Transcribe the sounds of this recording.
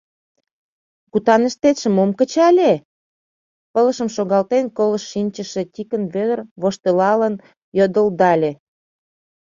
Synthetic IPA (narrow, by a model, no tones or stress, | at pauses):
kut̪ɑnə̆ʃt̪et̪ʃə̆momkə̆t͡ɕɑlʲe | pə̆lə̆ʃə̆mʃoɣɑlt̪enkoləʃːinʲt͡ɕə̆ʃe̽t̪ʲikənβød̪ərβoʃt̪elɑlən | jod̪əld̪ɑlʲe